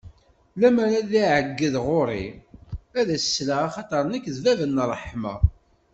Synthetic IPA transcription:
læmæɾæðiʕəɡːəðʁoɾˤḭ | æðæsə̥slaaχɑt̪ˤɑɾˤənækːðvævənːərˤːəħmɑ̰

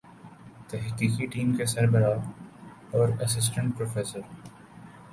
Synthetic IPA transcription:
t̪ɛɦqiːkiʈiːmkesɐɾbəɾaːɡ | ɔːɾɐsɪs̬ʈə̃ɳʈ̚pɾoːfeːsəɾ

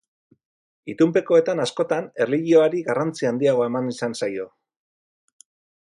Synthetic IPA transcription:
it̪umpe̞ko̞e̞t̪anasko̞t̪ane̞rliɣio̞aɾiɣarant͡siand̪iaɣ̞o̞emanisansajo̞

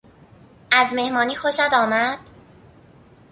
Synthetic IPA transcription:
ʔæzme̞hmɒːniːxoʃæd̪ɒːmæd̪̥

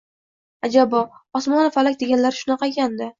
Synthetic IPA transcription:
ad͡ʒabɒɒsmɒnafalakʲd̪e̞ɡʲanlaɾɪʃʊnɑqɑɡʲand̪ɪ

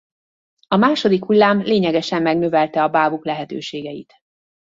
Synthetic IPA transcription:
ɒmaːʃo̞d̪ikhulːaːmleːɲɛɡɛʃɛmːɛɡnøvɛlt̪ɛɒbaːbuklɛɦɛt̪ø̰ːʃeːɡɛjit̪

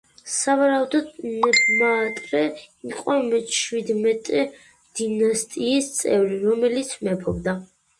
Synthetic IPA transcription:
savaɾaud̪ɔd̪mɛbmaːt̪ʼɾɛiqʼɔmɛt͡ʃwid̪mɛt̪ʼɛ | d̪̥inast̪ʼiːst̪sʼɛvɾiɾɔmɛlit̪sʰmɛpʰɔbd̪a

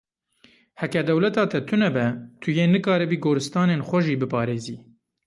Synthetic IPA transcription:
hɛkɛd̪ɛwlɛt̪ɑːt̪ʰɛt̪ʰʊnɛbɛt̪ʰʊjeːnɨkɑːɾɨbiːɡoːɾɨst̪ɑːneːnxʷɛʒiːbɨpʰɑːɾeːziː

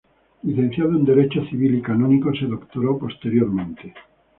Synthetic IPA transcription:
liθen̟θjaðound̪eɾet͡ʃoθiβilikanõnikoseðokt̪oɾopost̪eɾjoɾmẽnt̪e

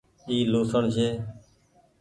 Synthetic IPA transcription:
iːloːsəɳʃeː

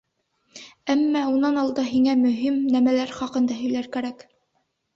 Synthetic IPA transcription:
æmːæunɑnɑlˠd̪ɑɦiŋæmɵ̆ɦimnæmælæɾχɑqɤ̆nd̪ɑɦɵ̆jlæɾkæɾæk

